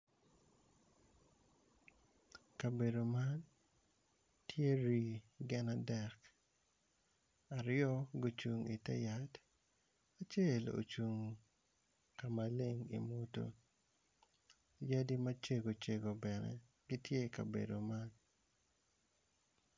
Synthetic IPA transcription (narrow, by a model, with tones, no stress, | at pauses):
ka˨be˨do˨ma˦n | tje˦ɾi˨ɡɛ˦nadɛ˨k | a˨ɾɪjɔ˦ɡo˦t͡ʃu˨ŋi˨tɛ̰˦ja˨t | a˨t͡ʃe˦lo̰˨t͡ʃu˨ŋ | ka˨ma˨le˦ŋḭ˨mo˦to̰˨ | ja˦di˦mat͡ʃe˦ɡo˨t͡ʃe˨ɡo˨bɛ˨nɛ̰˦ | ɡi˦tje˦ka̰˨bḛ˨do˨ma˦n